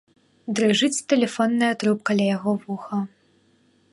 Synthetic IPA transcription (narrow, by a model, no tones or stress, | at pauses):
d̪ɾɨʐɨt͡sʲt̪ɛlʲɛfɔnːɐjɐt̪ɾup̚kalʲajaɣɔvuxɐ